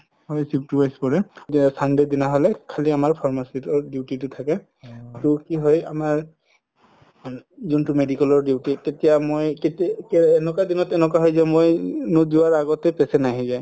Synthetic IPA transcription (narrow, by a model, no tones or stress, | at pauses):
hɔjsip̚tibajspɔɹɛsandɛdinaɦɔlɛkʰaliamaɹpʰɔɹmasitɔɹdiwtitʊtʰakɛ | tʊkiɦɔja̰maɹ | zuntʊmedikɛlɔɹdiwtitetijamojketikɛːnɔkwadinɔtɛnɛkwaɦɔjzɛmojnudiwaɹaɡɔtɛpɛsɛnaɦizaj